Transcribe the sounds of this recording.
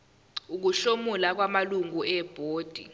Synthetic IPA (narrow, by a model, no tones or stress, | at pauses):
uk̬uɬomulak̬wamaluŋuɛb̥ʱoːd̥ʱḭ